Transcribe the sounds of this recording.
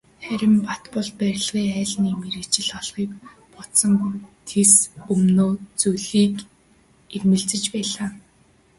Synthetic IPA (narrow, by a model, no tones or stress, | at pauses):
χæɾʲɪ̆mpat̪pɔ̆ɮpæɾ̆ʲɮʁiːæːɮniːmeɾet͡ɕɪ̆ɮɔɮχiːk | pɔt̪sɞ̆mt̪ʰesɵmnoːt͡sujɮiːk | ermɘ̆ɬt͡sɘ̆t͡ɕpæːɮaː